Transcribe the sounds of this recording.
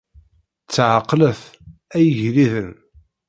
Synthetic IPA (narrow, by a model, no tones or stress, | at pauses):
t͡sːʕaqːləθæjəʝliðən